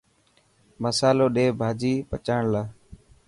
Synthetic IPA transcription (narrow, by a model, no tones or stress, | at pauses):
məsaːloːɗeːbʱaːd͡ʒiːpət͡ʃaːɳlaː